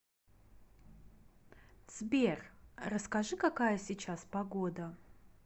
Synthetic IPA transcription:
t͡s̪bʲerrɐskɐʐɨkakajɐsʲit͡ʃaspɐɡod̪ɐ

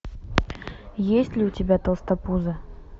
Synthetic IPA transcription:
jesʲtʲlʲɪʊtʲɪbʲat̪əlˠst̪ɐpuzə

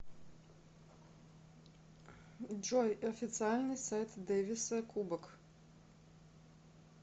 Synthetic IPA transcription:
d͡ʒɔjɔfʲɪt̪sɪalʲnʲɪsʲajt̪d̪ɛːvʲɪsɐkʰubɐk

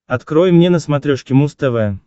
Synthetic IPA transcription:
ɐt̪kɾojmnʲenəsmat̪ɾʲoʂkʲɪmust̪əvəə

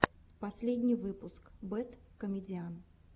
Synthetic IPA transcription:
pɐsʲlʲedʲnʲɪjvɨpʊskbɛt̪kəmʲɪdʲɪan

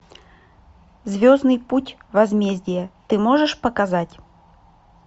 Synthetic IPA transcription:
zʲvʲoznɨjputʲvɐzmʲezʲdʲɪjət̪ɨmo̞ʐɨʂpəkɐzatʲ

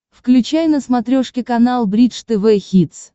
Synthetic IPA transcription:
fklʲʉt͡ɕajnəsmɐt̪ɾʲoʂkʲɪkɐnalˠbɾʲit̪ʂt̪ɛvɛxʲit̪s

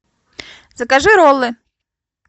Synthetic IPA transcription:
zɐkaʐɨɾɔlˠɨ

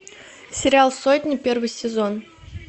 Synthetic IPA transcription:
sʲɪɾʲɪalˠsotʲnʲɪpʲervɨjsʲɪzo̞n

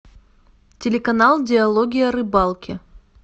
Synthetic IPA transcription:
tʲelʲekɐnɑlˠdʲeɐlˠoɡʲijɐɾɨbɑlˠkʲɪ

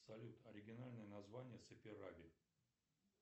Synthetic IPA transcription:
sɐlʲut̪ɐɾʲɪɡʲɪnalʲnəjənɐzvanʲɪjəsɨpʲɪɾabʲɪ

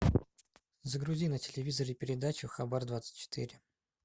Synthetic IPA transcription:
zəɡɾʊzʲinətʲɪlʲɪvʲizəɾɪpʲɪɾʲɪd̪at͡ɕʊxɐbard̪vat̪sɨ̥t̚ʲt͡ɕːɪ̥t̪ʰiɾʲɪ

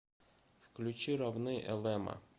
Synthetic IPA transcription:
fklʲʉt͡ɕiɾɐvnɨʔɛlˠɛmə̰

